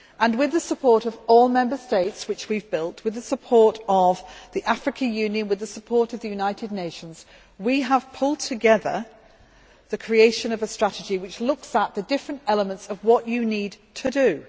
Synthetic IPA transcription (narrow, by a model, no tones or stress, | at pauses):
ʔə̃nwɪðəsəpʰɔɹɾʌvɔlˠmɛ̃mbə˞steɪtswɨt͡ʃwivbɪlˠtwɨðəsəpʰɔɹɾəvðiʔafɹɨkʰəjʉ̃njɨ̃nwɨðəsəpʰɔɹɾʌvðɨjʉnaɪtɨdⁿneɪʃə̃nz̥ | wiəv̥pʰʊlˠd̚tʰɨɡɛðə̰ | ðɨkʰɹ̥ieɪʃɨ̃nʌvəstɹ̥aɾɨd͡ʒiwɨt͡ʃlʊksəʔ̪̚ðɨdɪfɹə̃ntɛlˠəmə̃ntsʌvwɒt͡ʃɨnidtʰɨdɨ